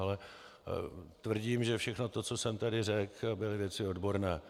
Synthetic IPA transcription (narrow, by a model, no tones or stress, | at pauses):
alɛ | t̪vr̩ɟiːmʒɛfʃɛxno̞t̪o̞t͡so̞sɛmt̪adɪrɛkbɪlɪvjɛt͡sɪo̞dbo̞ɾnɛː